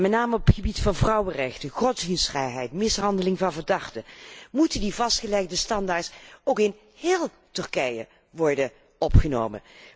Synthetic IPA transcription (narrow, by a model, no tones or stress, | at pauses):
mɛtnaːməɔptχəbitfɑnvrʌwərɛxtəχɔtsinsrɛjɦɛjtmɪsɦɑndəlɪŋvɑnvəɹdɑχtəmutəndivɑstχəlɛɣdəstɑndaːɹtsowkɪn | hɪːlˠ | tɵɹkɛjə̰ | ʋɔɹdə | ɔpχəno̰ːwmə̰n